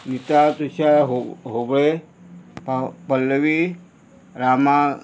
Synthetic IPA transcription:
nit̪at̪ut͡ʃʰaɦɦobɭe | ppəlːəʋi | ɾama

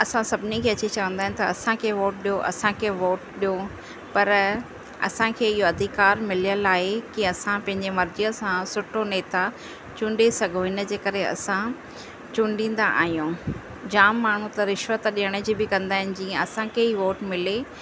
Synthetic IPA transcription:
ɐsãsɐbʱɪnikʰeːɐt͡ɕit͡ɕɐʋə̃nd̪aːɦɪnɪ̆t̪ɐɐsãkʰeːʋoːʈ̚ɗijoʔɐ̰sãkʰeːʋoːʈɗijo | pɐɾ | ɐ̰sãkʰeːɪɦoɐd̪ʱikaːɾmɪlijəlaːɦekiɐsãpɐ̃ɦɪ̃ɲd͡ʑemɐɾd͡ʑiəsãsʊʈʰoneːt̪a | t͡ɕũːɳɖesɐɡʱoɦɪnə̆d͡ʑeːkɐɾeɐ̰sã | t͡ɕʊ̃ːɳɖĩːn̆d̪aʔa̰ːɦijũː | d͡ʑaːmːaːɳ̤ut̪ɐɾɪʃʋət̪ɗiɦəɽ̃əd͡ʑibɪkɐ̃nd̪aːɦɪnɪ̆d͡ʑiːə̃ɐsãkʰeːɦiːʋoːʈmɪle

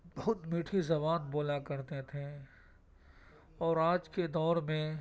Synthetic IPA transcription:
bɐɦʊt̪miːʈʰizɐβaːnboːlakɐɾt̪et̪ʰẽ | ɔːɾaːd͡ʒked̪ɔːɾmẽ

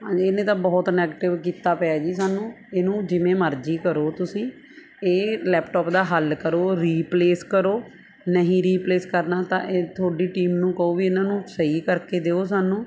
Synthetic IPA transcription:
ɦãeːnẽːt̪ãːbɔːt̪nɛːɡeʈɪʋkiːt̪aːpɛaːd͡ʒiːsaːnũː | eːnũːd͡ʒɪmẽːməɾd͡ʒiːkəɾoːt̪ʊsĩː | eːlɛːpʈɔːpd̪aːɦəlkəɾoːɾiːpleːskəɾoː | nəɦĩːɾiːpleːskəɾnaːt̪ã̰ːʔeːt̪ʰoːɖiːʈiːmnũːkəoːʋiːɪnãːnũːsəiːkəɾkeːd̪eːoːs̬aːnũː

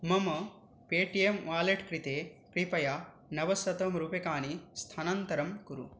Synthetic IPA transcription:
mɐmɐ | peːʈijemʋaːleʈkɾit̪eːkɾipɐja | nɐʋɐsɐt̪ɐmɾuːpekaːnist̪ʰɐnɐnt̪ɐɾɐmkuɾṵ

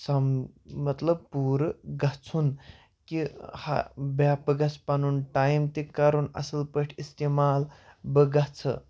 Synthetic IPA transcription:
sammɐt̪ləb̚puɾɡat͡sʰun | kiha̰bjapəɡat͡spanuːnʈajmt̪ikaɾuːna̰səlpəʈʰist̪emalbəɡat͡sʰə̰

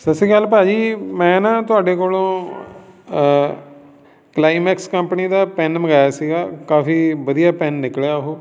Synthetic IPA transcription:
səsiːɡaːlpaːd͡ʒiːmɛ̃ːnãːt̪ʊaːɖeːkoːlõː | klaːiːmɛːkskəmpəniːd̪aːpɛːnməɡaːjaːsiːɡaːkaːfiːʋəd̪ijaːpɛːnːɪklejaːɦoː

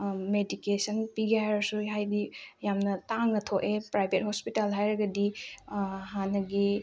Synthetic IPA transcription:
medikesənpiɡehajɾɐsuɦajdijamnɐtaŋnɐtʰoʔepɾajbʱet̚hospitalɦajɾɐɡɐdi | ɦanɐɡi

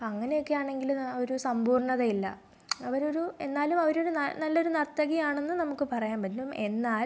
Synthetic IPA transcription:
ɐŋːɐne̞jo̞kːejaːɳe̞ŋɡilo̞ɾusɐmbʱuːrɳɐðɐilːɐ̰ | ɐʋɐɾo̞ɾue̞̰nːaːlumɐʋɐɾoɾunɐnɐlːɐoɾunɐrt̪ːɐɣijaːɳe̞nːɨnɐmukːɨpɐrɐjaːmbɐdume̞nːaːl

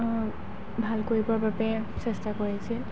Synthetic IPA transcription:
bʱalkoɹibɔɹbapɛ | sɛstakoɹasɛ

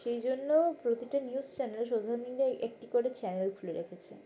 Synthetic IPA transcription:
ʃejd͡ʑonːopɾot̪iʈaniuzt͡ɕɛneleʃ̬od̪ʱaɾonikɾaʔek̚ʈikoɾet͡ɕɛnelfuleɾekʰet͡ɕʰḛ

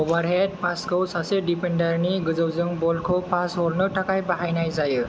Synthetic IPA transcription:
obaɾɦed̚pʰaskəwsasedipendaɾniɡɯzəwzɯŋbɔlkʰɔpʰasɦɔɾnɯʈʰakajbaɦajnajzajɯ

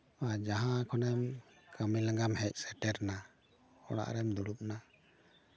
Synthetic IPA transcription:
ad͡ʒaɦãkʰɔnɛmkʰamilaŋɡamhɛc̚ˀsɛʈɛɾna | ɔ̰ɽ̃a̰ʔɾɛmd̪uɽup̚na

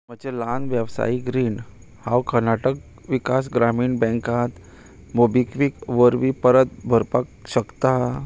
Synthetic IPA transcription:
m̤əd͡ʑeland̪ʋjəʋsa̰iɡɾiːn | hawkəɾnaʈək̚ | ʋikasɡɾamiːɳbɛ̃ŋkat̪ | mobikʋikʋəɾʋipəɾət̪̚bʱəɾpak̚ɕəkt̪a

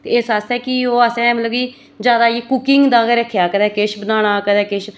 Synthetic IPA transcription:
t̪eːeːsaːst̪ɛ̃ːkɪoːəsɛ̃ːmləɡiː | d͡ʒjaːd̪aːiːkʊkɪŋɡd̪ãːɡəɾəkʰjaːkəd̪ɛ̃ːkɪʃbənaːɽ̃aːkəd̪ɛːkɪʃ

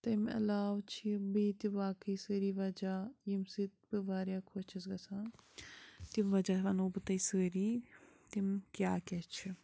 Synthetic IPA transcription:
t̪ɐmɐ̰laːʋt͡ʃʰibiːt̪iʋaːkɐjsəːɾiːʋɐd͡ʒaːjimsit̪̚bɨʋaːɾjakʰot͡ʃʰɐsɡɐsãː | t̪imʋɐd͡ʒaːʋɐnuːbɨt̪ɐisəːɾiːt̪imkʲjaːkʲɛt͡ʃʰi

